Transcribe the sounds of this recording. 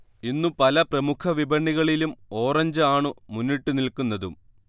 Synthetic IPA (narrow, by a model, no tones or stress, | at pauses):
inːupɐlɐprɐmukʰɐʋibɐɳːiɣɐɭilumo̞ːrɐɲd͡ʑɨaːɳɨmunːiʈːunilkunːɐðum